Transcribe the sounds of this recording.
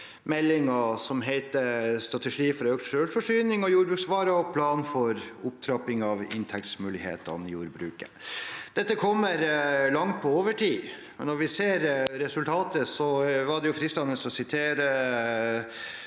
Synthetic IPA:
mɛlːɪŋɑsɔmɦɛɪt̪əst̪ɾɑt̪ɛʂiːfɔɾøːk̚t̪ʂøːlfɔʂyːnɪŋɔjuːɾbɾʉːksʋɑːɾɑɔpʰlɑːnfɔɾʊp̚t̪ʰɾɑpɪŋɑʋɪ̰nt̪ʰɛk̚t̪smʉːlɪhḛːt̪ɑ̰nɪjuːɾbɾʉ̰ːkəd̪̥ɛt̪ːəkʰɔmːəɾlɑŋt̪̚pʰɔoːʋəʈʰiː | mɛ̰nːɔɾʋɪseːɾɾɛsʉlt̪ʰɑːt̪əsɔʋɑɖɛjʊfɾiːst̪ɑnəsɔsɪt̪ʰeːɾə

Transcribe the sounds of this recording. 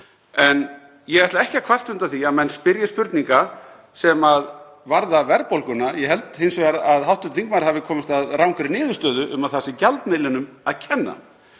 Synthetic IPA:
ɛn | jɛɣɛht̪laɛhcakʰv̥ar̥t̪ʏnt̪aθiaðmɛnspɪɾjɪspʏɾt̪niŋka | sɛmað | vaɾðavɛɾpolkʏnajɛɦɛlt̪hejnsvɛɾaðɦawht̪ʏnt̪θiŋk̚maɾhavɪkʰɔːmɪst̪aðrawŋkɪɾɪnɪːðʏ̥st̪œːðʏʔʏ̰maðθasɪcalt̪melɪnʏmaðcʰɛnːa̰

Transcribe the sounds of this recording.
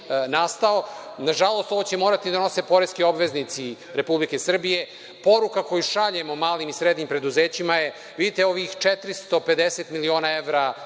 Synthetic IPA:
nast̪ao | naʒalˠo̞st̪oʋot͡ɕemoːɾat̪id̪ano̞se̞po̞ɾeskio̞bʋe̞znit̪si | ɾe̞publike̞sr̩bije̞ | po̞ɾukako̞juʃaʎemomaːlimisɾed̪nimpɾe̞d̪uzeːt͡ɕimaje | ʋid̪it̪eo̞ʋixt͡ʃet̪ɾist̪o̞pe̞d̪eset̪milio̞ːnaeʋɾa

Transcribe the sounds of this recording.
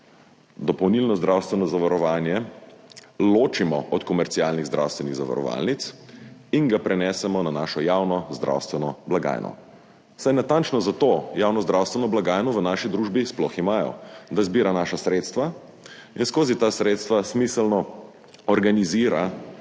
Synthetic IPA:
d̪ɔpɔwnilnɔzd̪ɾawst̪ʋɛnɔzaʋaɾɔʋaːnjɛ | loːt͡ʃimɔʔɔt̪kɔmɛɾt̪siaːlniɣzd̪ɾʔa̰wst̪ʋɛniɣza̰ʋa̰ɾɔ̰ʋa̰lnit̪sinɡapɾɛnɛsɛmɔnanaːʃɔjaːwnɔzd̪ɾʔa̰wst̪ʋɛnɔblaɡa̰ːjnɔ̰ | sajnat̪ant͡ʃnɔzat̪oːjaːwnɔzd̪ɾawst̪ʋɛnɔblaɡaːjnɔʋənaːʃid̪ɾuːʒbisplɔximaːjɔ̰d̪azbiːɾanaʃasɾeːt̪st̪ʋa | inskoːzit̪asɾet̪st̪ʋasmisəlnɔ | ɔɾɡaniziːɾa

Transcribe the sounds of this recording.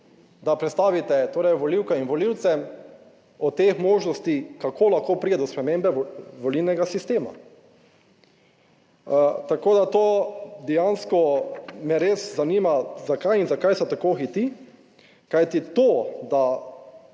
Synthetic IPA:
d̪apɾɛt̪st̪aːʋit̪ɛt̪oːɾɛjʋɔliwkɛinʋɔliwt̪sɛ | ɔt̪exmoːʒnɔst̪ikakʰolaxkoːpɾid̪ɛd̪ɔspɾɛmembɛʋɔlilnɛɡasist̪eːma̰ | t̪akoːd̪at̪oːd̪ɛjanskɔmɛɾeszaniːmazakajinzakajsɛt̪akoːxit̪i | kajt̪it̪od̪a

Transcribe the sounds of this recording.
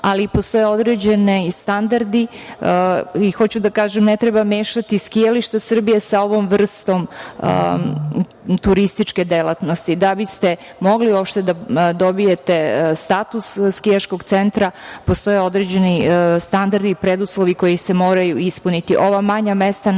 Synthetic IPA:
alipost̪o̞jeo̞d̪ɾe̞d͡ʑe̞nest̪and̪aɾd̪i | ixo̞t͡ɕud̪akaːʒemnet̪ɾebameːʃat̪iskijaliʃt̪asr̩bije̞sao̞ʋo̞mʋr̩st̪o̞m̰ | t̪uɾist̪it͡ʃke̞d̪elat̪no̞st̪id̪abist̪e | mo̞ɡliuopʃt̪e̞d̪ad̪o̞bije̞t̪e̞st̪at̪usːkijaʃko̞ɡt̪se̞nt̪ɾapo̞st̪o̞jeo̞d̪ɾed͡ʑe̞nist̪and̪aɾd̪ipɾed̪uslˠo̞ʋiko̞jise̞moːɾajuispunit̪iʔo̞ʋamaɲamest̪a

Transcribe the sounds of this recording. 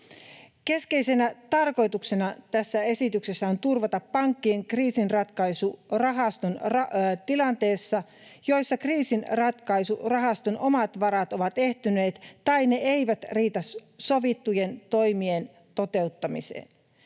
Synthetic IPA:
ke̞ske̞jse̞næt̪ɑrko̞jt̪ukse̞nɑt̪æsːæe̞sit̪yksesːæont̪urʋɑt̪ɑpːɑŋkːie̞ŋkriːsinrɑt̪kɑjsurɑɦɑst̪unrɑt̪ilɑnt̪e̞ːsːɑ | jo̞jsːɑkriːsinrɑt̪kɑjsurɑɦɑst̪unʔo̞mɑt̪ʋɑɾɑt̪o̞ʋɑt̪e̞ht̪yne̞ːt̪t̪ɑine̞ejʋæt̪riːt̪ɑsso̞ʋit̪ːuje̞nt̪o̞jmien | t̪o̞t̪e̞ut̪ːɑmḭsḛːn

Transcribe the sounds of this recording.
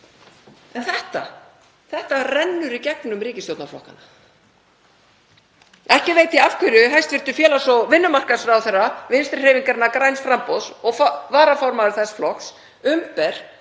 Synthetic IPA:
ɛnθɛht̪a̰ | θɛht̪arɛnːʏɾicɛknʏmriːcɪst̪jowt̪naflɔ̰hka̰na | ɛhcɪveːjt̪iafkʰʏɾʏɦajst̪vɪɾ̥t̪ʏ̥fjɛːlasɔvɪnːʏmar̥kasɾaːwθɛrːavɪnst̪ɪɾ̥r̥reːviŋkaɾɪnːakɾajnsfɾamposɔɣfvaːɾafɔɾmaðʏɾ̥θɛsflɔks | ʏmpɛɾ̥

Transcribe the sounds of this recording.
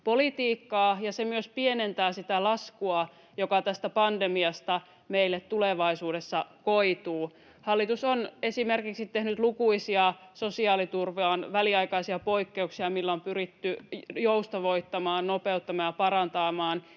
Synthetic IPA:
polit̪iːkːɑːjɑsemyøspienent̪æːsit̪ælɑskuɑ | jokɑt̪æst̪æpɑndemiɑst̪ɑ | meilːet̪t̪uleʋɑisuːdesːɑkoit̪uː | hɑlːit̪usone̞simerkiksit̪ːehnyt̪lukuisiɑsosiɑːlit̪urʋeɑnʋæliɑikɑisiɑpo̞ikːeuksiɑmilːompyɾit̪ːyjoust̪oʋoit̪ːɑmɑːnnopeut̪ːɑmɑjɑpɑɾɑnt̪ɑːmɑːn

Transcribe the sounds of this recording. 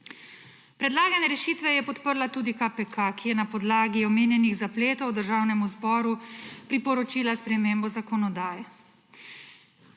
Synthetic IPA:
pɾɛd̪laːɡanɛɾɛʃiːt̪ʋɛjɛpɔt̪pəɾlat̪uːd̪ikapɛkʰakijɛnapɔd̪laːɡiɔmeːnjɛniɣzapleːt̪ɔwd̪əɾʒaːwnɛmuzbɔːɾupɾipɔɾɔt͡ʃiːlaspɾɛmeːmbɔzakɔnɔd̪aːjɛ

